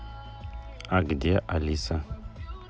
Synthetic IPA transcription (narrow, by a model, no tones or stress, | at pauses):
aɡdijaʔalisa